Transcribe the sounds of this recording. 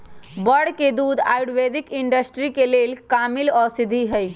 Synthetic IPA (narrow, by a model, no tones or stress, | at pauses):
bəɽked̪uːd̪a̰ːjɽʋeːd̪ikiɳɖəsʈɾikeleːlkaːmɪlɔːɾsɪd̪ʱiɦəj